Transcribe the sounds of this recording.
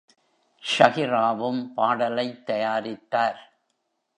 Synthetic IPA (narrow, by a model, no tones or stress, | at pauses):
ʃɐɣɪɾaːʋɯmpaːɽɐlɐɪt̪ːɐjaːɾɪt̪ːaːɾ